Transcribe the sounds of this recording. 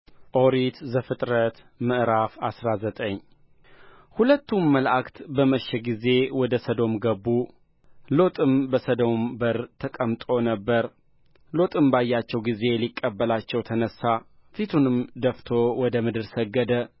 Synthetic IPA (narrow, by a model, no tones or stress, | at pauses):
ʔoɾit̪zəfɨt̪ʼɾət̪ | mɨʔɾafasɾazət̪ʼəɲː | hulət̪ːumːəlʔakt̪bəməʃːɛɡize̞wɔd̪əsəd̪o̞mɡəbːu | lo̞t̪ʼɨmbəsəd̪o̞mbəɾt̪ʰəkʼəmt̪ʼo̞nəbːəɾ | lo̞t̪ʼɨmbajːat͡ʃːɛwɡize̞likʼːəbːəlat͡ʃːɛwt̪ʰənəsːa | fit̪ʰunɨmd̪əft̪ʰo̞wɔd̪əmɨd̪ɨɾsəɡːəd̪ə